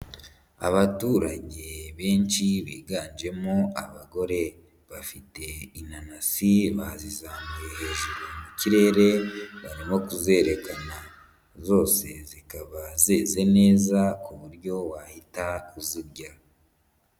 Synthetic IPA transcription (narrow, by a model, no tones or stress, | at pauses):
a̰βatuːɾaɟe̞βeːnt͡ʃiβiːɡaːnd͡ʒe̞moa̰βaɡo̞ɾe̞ | βafite̞inanasiβazizaːmɡuehe̞ʒuɾemuciɾe̞ːɾe̞βaɾimo̞kuze̞ɾe̞kana | zo̞ːse̞̰zikaβazeːze̞ne̞ːzakuβuɾɟo̞wahitakuziɾɟa